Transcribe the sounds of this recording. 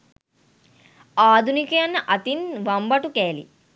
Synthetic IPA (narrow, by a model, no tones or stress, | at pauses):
aːd̪ʱunikɐjɐnːɐʔɐt̪inʋɐmbɐʈukeːlḭ